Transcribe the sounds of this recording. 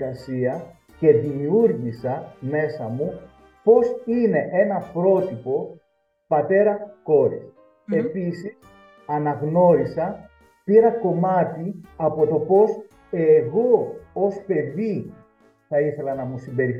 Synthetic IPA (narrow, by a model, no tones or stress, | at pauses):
ɐsiɐ | ce̞ðimiuɾʝisɐme̞sɐmu | po̞sine̞ʔe̞nɐpɾo̞t̪ipo̞ | pɐt̪e̞ɾɐko̞ɾḭs | e̞pisis | ɐnɐɣno̞ɾisɐ | piɾɐko̞mɐt̪iɐpo̞t̪o̞po̞s | e̞ɣo̞ospe̞ði | θɐiθe̞lɐnɐmusimbe̞ɾi